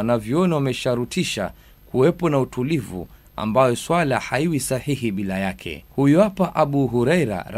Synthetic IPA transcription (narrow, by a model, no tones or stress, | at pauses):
naviɔnawamɛʃaɾutiʃa̰ | kuwɛpɔnautʰulivṵ | a̰mbajɔswalahaiwisahihiɓilajakʰɛ̰hujuapaʔaɓuɦuɾɛjɾa̰ɾ